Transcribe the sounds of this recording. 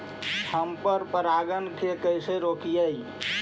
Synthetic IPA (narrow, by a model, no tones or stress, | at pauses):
həmpəɾpəɾaɡənkekəjseɾokijəj